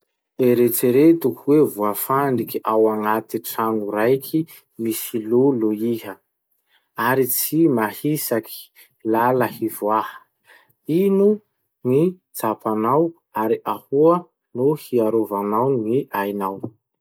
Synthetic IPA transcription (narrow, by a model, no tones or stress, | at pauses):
eɾet͡seɾet̪ukʰuwevuafaɳɖ͡ʐikiʔawaŋat̪iʈ͡ʂanuɾajkʰi | misiloloiɦə | aɾit͡simahisakʰi̥ | laləhivwahə̥ | inu | ni | t͡sapanaw | aɾiʔahuə | nohiaɾovanawnŋiajnaw